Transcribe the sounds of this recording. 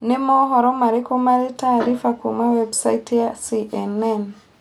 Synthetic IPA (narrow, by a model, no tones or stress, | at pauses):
nɪmɔɦɔɾɔmaɾikɔmaɾitaːɾifakumawɛbsaitjasiʔɛnɛn